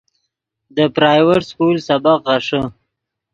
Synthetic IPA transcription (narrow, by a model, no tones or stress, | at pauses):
d̪əpɾɑːjweʈskulsabaqɣaʂə